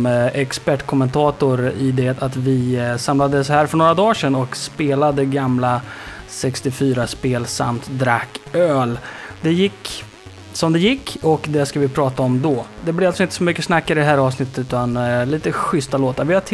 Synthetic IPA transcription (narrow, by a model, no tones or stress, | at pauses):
ɛkspæʈːkʰɔmɛnt̪ʰɑːt̪ʊɾɪd̪ɛt̪at̪vɪsamlad̪əshæːɾfœɳoːɾad̪ɑːʂɛnɔkspeːlad̪əɡamlasɛkst̪ɪfyːɾaspeːlsa̰mt̪d̪ɾakːøːld̪ɛjɪkː | sɔmd̪ɛjɪkːɔkd̪ɛskavɪpʰɾɑːt̪aɔmd̪ɔd̪ɛblɪɾalsɔɪnt̪əsɔmʏkːəsnakːɪd̪ɛɦæːɾɑːvsnɪt̪ːət̪ʉt̪anliːt̪əɧʏst̪aloːt̪aɾvɪhaʈʰ